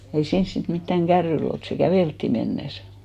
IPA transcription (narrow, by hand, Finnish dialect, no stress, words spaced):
ei siːns sit mitːæŋ ɡ̊ærːyil olt se kæʋeˑltːiˑ menːes